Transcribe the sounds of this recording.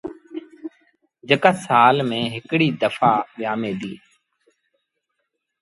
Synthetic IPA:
d͡ʒəkaːsaːlmẽːɦɪkɽiːd̪əfaːɓɪjaːmẽːd̪iː

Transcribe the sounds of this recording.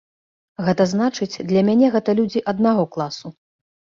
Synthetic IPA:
ɣɛt̪ɐznat͡ʂɨt͡sʲd̪lʲɐmʲanʲɛɣɛt̪ɐlʲud͡zʲiʔɐd̪̚naɣɔklˠasu

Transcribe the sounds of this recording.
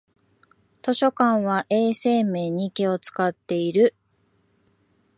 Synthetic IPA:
t̪o̞ɕo̞kãɰ̃βaʔe̞ːse̞ːme̞ːɲ̟ikeo̞t͡sɨ̥kat̪ːe̞iɾɯ̟

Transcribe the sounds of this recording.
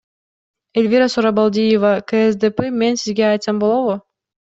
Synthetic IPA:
elʲvʲiɾasoɾabalˠd̪ʲijevakeesd̪epɘmʲenʲsizɡʲeɑjt̪sɑmbolˠovʊ

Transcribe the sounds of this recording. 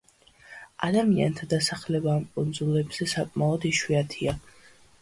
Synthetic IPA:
a̰d̪amia̰nt̪ʰad̪asaχlɛbaːmkʼund̪zulɛbz̥ɛsakʼmaɔd̪iʃwiat̪ʰia

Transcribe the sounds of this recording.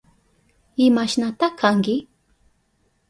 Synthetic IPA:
ɪmaʃnat̪ahkaŋkɪ

